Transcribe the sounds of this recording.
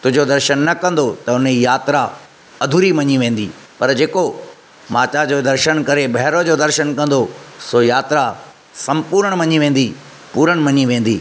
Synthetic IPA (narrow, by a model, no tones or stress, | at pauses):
t̪ʊɦɪ̃d͡ʑod̪ɐɾʃənːɐkɐ̃n̆d̪ot̪ɐʊnijaːt̪ɾa | ɐd̪ʱuɾimɐɲiʋẽːn̆d̪iː | pɐɾd͡ʑeːko | maːt͡ɕad͡ʑoːd̪ɐɾʃənkɐɾebʱɐɦɾod͡ʑoːd̪ɐɾʃənkɐ̃nd̪osojaːt̪ɾa | sɐ̃mpuːɾəɽ̃mɐɲiʋẽːn̆d̪i | puːɾəɽ̃mɐɲiʋẽːn̆d̪iː